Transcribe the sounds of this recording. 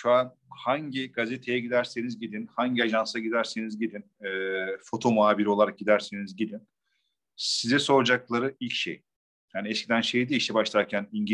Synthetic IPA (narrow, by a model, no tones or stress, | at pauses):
ʃuan | haɲɟiɡazet̪ʰe̞jɛɟid̪æɾsenizɟid̪inhaɲɟiaʒansaɟid̪æɾsenizɟid̪inɛfo̞t̪ʰo̞moaːbiɾio̞lˠaɾak̚ɟid̪æɾsenizɟid̪in | sizɛsoɾd͡ʒaklˠaɾɯilʲcʃḛj | janiɛscʰid̪ænʃejd̪iiʃt̪ɛbaʃlˠaɾcʰæniɲɟ